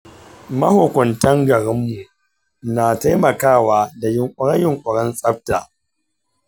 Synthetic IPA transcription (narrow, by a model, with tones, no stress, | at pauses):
mɐ˦hoː˨kʷɔ˨ntɐ˦ŋɡɐ˨ɾɪ˦mːu˨ | naː˨ta˦jmɐ˨kaː˦˨waː˦da˨jɪ˨ŋkʷʼʊ˨ɽɐ˦ɲjɪ˨ŋkʷʼʊ˨ɽɐ˦nsʼɐ˦ɸ̚ta̰ː˨